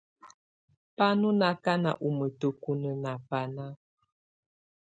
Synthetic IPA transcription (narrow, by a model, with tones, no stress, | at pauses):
pa˦nu˦na˨ka˦na̰˨ʔu˨mə˨tə˦ku˦nə˦na˨pa˨na˦